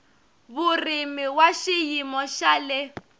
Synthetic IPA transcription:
βurimiwaʃijimɔʃalɪ

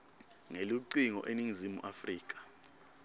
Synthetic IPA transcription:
ŋeluǀiŋɔ̰ʔeniŋizimuʔafriːk̬ḁ

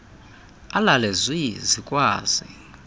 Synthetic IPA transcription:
alalɛzwizikʼwaːz̥i

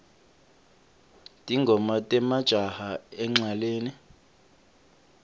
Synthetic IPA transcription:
tʼiŋɡʱɔmatʼɛmad̥ʒ̥ʱahaɛŋ͡ǁaleːni

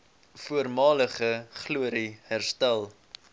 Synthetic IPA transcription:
fuərmɑːləχəχluəɾihærstælˠ

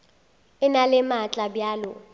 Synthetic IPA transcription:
ɪnalɪmat͡ɬʼabjaːlʊ

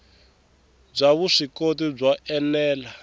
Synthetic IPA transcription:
b͡ʐʷaβuʂikot̬ib͡ʐaʔɛlɛːla

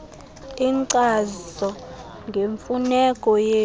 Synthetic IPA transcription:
iǀazɔ | ŋɡʱeɱfunɛkʼɔjeː

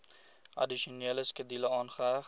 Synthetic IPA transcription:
ʔɐ̰diʃioniələskədiləɑːnχəɦæ

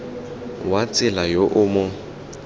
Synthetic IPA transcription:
wat͡sʼɪlajoʔʊmʊ

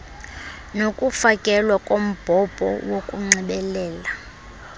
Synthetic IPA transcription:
nokʼufakʼɛlwakʼom̩b̥ʱɔb̥ʱɔ̰wokʼuŋ͡ǀiɓɛlɛːla

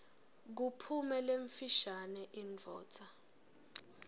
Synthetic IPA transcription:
k̬upʰumɛleɱfiʃanɛʔind͡vʱɔ̰ːtʰa

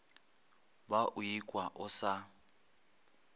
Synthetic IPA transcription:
baʔʊikʼwaʔʊsa

